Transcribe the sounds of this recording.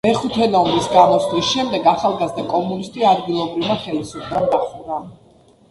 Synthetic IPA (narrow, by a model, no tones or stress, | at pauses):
mɛχut̪ʰɛnɔmisɡamɔt̪slisʃɛmd̪ɛɡaχalˠɡazd̪akʼɔmunist̪ʼiad̪ɡilˠɔbɾivmaχɛlisupʰdɾamd̪aχud̪a